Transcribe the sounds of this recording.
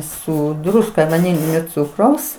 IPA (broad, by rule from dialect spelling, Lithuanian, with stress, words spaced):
ˈsʊ ˈdrʊskɐ ʋɐˈnʲɪlʲɪnʲoː ˈt͡sʊkrɐʊs